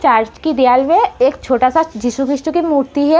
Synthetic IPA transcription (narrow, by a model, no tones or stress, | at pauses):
t͡ʃaːɾt͡ʃkid̪ijaːlmẽeːkt͡ʃʰoːʈasad͡ʒisukɾɪʃʈ̪ukimuːɾt̪iɦɛ